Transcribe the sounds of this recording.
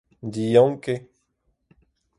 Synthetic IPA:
d̪ijɔ̃ŋke

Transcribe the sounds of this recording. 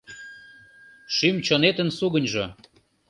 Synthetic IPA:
ʃymt͡ɕonet̪ənsuɣənʲʒo

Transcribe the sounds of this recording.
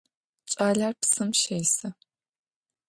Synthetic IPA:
t͡ʃʼaːɮarpsɨmʃejsɐ

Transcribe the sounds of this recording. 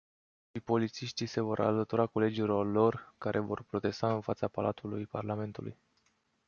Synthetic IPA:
ʃipo̞lit̪siʃt̪ise̞vo̞ɾʔa̰lət̪uɾako̞le̞d͡ʒilo̞rlo̞rkaɾʔe̞vo̞̰rpɾo̞t̪e̞st̪aɨnfat̪sapalʔat̪ulujparlame̞nt̪ulṵj

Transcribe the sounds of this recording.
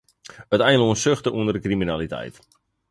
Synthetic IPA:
ətɛjnləuənsøxtəʔuəndərdəkriminalitɛ̰jt

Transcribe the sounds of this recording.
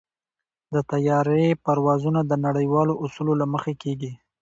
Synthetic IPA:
d̪ət̪ajɑɾepaɾwɑzunad̪ənaɽəjwɑloʔusulolaməxekeɡi

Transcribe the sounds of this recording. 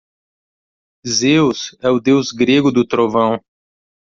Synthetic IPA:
zewsɛʊd̪ewzɡɾeɡʊd̪ʊt̪ɾovɐ̃w̃

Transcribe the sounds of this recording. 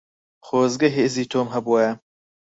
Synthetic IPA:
xoːzɡɐɦeːziːt̪ʰoːmɦɐbuɐjɐ

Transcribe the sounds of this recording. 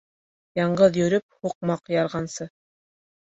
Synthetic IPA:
jɑɴɢɤðjɵ̆ɾɵp̚huq̚mɑqjɑɾʁɑnsɤ

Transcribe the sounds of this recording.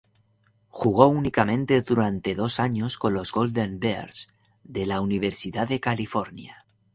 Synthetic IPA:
xuɣ̞o̞unikamẽ̞nt̪eðuɾant̪e̞ðo̞saɲo̞sko̞nlo̞zɣold̪embeɾs | ðelauniβ̞e̞ɾsiðaðe̞kalifoɾnja̰

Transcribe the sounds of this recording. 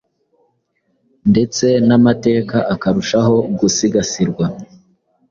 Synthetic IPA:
nde̞t͡se̞namate̞ːkaʔakaɾuʃaɦo̞ɡusiɡasiɾɡwa

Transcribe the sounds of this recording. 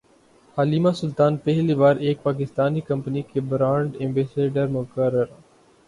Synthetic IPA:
haːliːmasʊlt̪aːnpɛɦliʋaːɾeːk̚paːk̬ɪst̪aːnikɐ̃mpnikebɾãːɳɖẽːmbeːseːɖəɾmʊkəɾːəɾ

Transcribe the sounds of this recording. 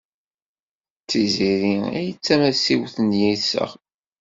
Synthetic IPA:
t͡sːiziɾiæ̰jt͡sːæmæsiwθənjisə̰ʁ

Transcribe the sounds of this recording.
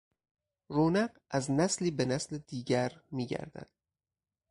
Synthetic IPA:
ɾoːnæɢ | æznæsliːbenæsled̪iːɟæɾmiːɟæ̰ɾd̪æ̰d̪̥

